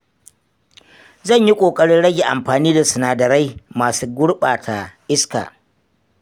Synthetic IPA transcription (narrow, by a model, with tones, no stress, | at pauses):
zɐ˦˨ɲji˦kʷʼoː˨kʼɐ˦ɽɪ˦ɽɐ˦ɡʲe˨ʔa˨mɸaː˨niː˦da˨sʊ˨naː˨dɐ˨ɾa˦jmaː˨suː˦ɡʷʊ˦ɽɓaː˨tʰa˨ʔɪ˦ska̰ː˨